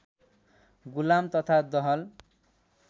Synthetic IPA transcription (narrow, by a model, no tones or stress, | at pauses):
ɡulamt̪ʌt̪ʰad̪ʌɦʌl